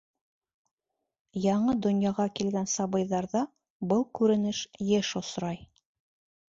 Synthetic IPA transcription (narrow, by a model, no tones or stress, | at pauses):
jɑɴɤd̪ŏnjɑʁɑkilɡænsɑβɤ̆jðɑɾðɑ | bɤlˠkʉɾɘ̆nɘʃjɘʃŏsɾɑj